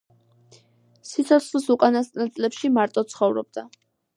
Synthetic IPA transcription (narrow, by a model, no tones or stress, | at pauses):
sit̪sʰɔt̪sʰχlisuqʼanast̪nat̪sʼlɛpʃimaɾt̪ʼɔt̪sʰχɔvɾɔ̰b̚d̪a